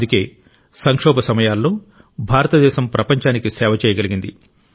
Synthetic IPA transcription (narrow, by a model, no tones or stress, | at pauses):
d̪uke̞ː | sɐŋkʂɔːbɐsɐmɐjaːlːo̞ː | bʱaːɾɐt̪ɐd̪ɛːʃɐmpɾɐpɐɲt͡ʃaːnikisɛːʋɐt͡ʃɛːjɐɡɐliɡind̪i